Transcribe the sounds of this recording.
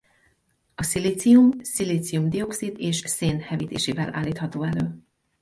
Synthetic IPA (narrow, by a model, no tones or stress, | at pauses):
ɒsiliːt̪siumsiliːt̪sijumd̪io̞ksid̪eːʃseːnhɛviːt̪ḛːʃiːvɛlʔa̰ːlːiːt̪hɒt̪oːɛløː